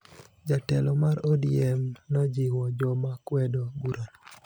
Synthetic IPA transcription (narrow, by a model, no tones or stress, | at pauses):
d͡ʒatɛlɔmaɾodiɛmnɔd͡ʒiwɔd͡ʒɔmakwɛdoɡuɾon